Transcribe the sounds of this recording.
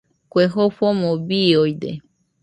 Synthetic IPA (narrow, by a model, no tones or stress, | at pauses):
kweɦoɸomõbiojd̪ḛ